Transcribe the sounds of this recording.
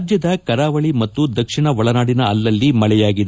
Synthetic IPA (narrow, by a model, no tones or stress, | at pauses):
d͡ʒjɐd̪ɐkɐɾaːʋɐɭimɐt̪ːud̪ɐkʂiɳɐʋɐɭɐnaːɽinɐɐlːɐlːimɐɭɛjaːɡid̪e